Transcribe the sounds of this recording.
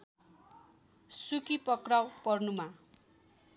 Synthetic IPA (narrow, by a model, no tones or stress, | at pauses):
sukipʌkrawpʌrnuma